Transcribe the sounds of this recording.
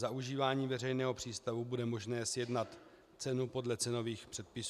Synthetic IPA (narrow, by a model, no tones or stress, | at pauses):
zaʔuʒiːvaːɲiːvɛrɛjnɛːɦo̞pr̥iːst̪avubudɛmo̞ʒnɛːsjɛdnat̪ | t͡sɛnupo̞dlɛt͡sɛno̞viːxpr̥ɛt̪̚pɪs